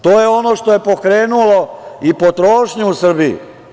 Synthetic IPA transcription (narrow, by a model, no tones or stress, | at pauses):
t̪oːjeo̞noʃt̪o̞je̞po̞kɾe̞ːnulo̞ipot̪ɾoːʃɲeusr̩biḭ